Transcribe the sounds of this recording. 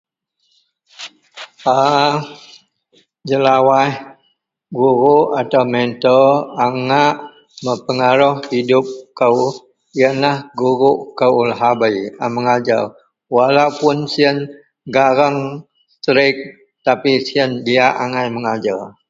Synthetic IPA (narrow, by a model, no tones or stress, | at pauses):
a | d͡ʒəlawah | ɡuɾuʔat̪awmɛnt̪ɔaŋaʔ | məpəŋaɾɔhhidʊp̚kəw | jənlahɡuɾuʔkəulɦabajəməŋad͡ʒal | walaupʊnsiən | ɡaɾaŋ | st̪ɾɪk̚ | t̪apisiəndiaʔaŋajməŋad͡ʒal